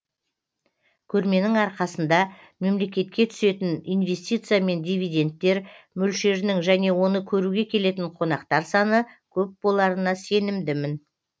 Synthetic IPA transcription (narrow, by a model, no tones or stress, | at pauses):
kʲʰɵɾme̞nɪŋɑɾqɑsənd̪ɑ | me̞mle̞kʲe̞t̪̚kʲe̞t̪ʰʏ̥se̞t̪ɪnijnve̞st̪ʲijt̪sɨijame̞nd̪ʲijvʲijd̪ʲe̞nt̪ːe̞ɾmʏlʃe̞ɾnɪŋʒæne̞wo̞nəkʲʰɵɾuɡʲe̞kʲʰe̞le̞t̪̬ɪɴqʰo̞nɑqt̪ɑɾsɑnəkʲʰɵp̚bo̞lˠɑɾənɑse̞nɪmd̪ɪmɪn